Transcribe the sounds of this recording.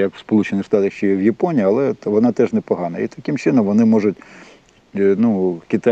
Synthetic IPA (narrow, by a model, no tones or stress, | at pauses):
jɐkʋspɔlˠut͡ʃenɪxʂt̪ɑt̪ɐxʃt͡ʃɔjɛwjɐpɔnʲiːɐlˠɛʋɔnɑt̪ɛʒnɛpɔɦɑnɐ̰ḭt̪ɐ̥kɪmt͡ʃɪnɔmʋɔnɪmɔʐʊt̚ʲ | nukʲɪt̪ɑ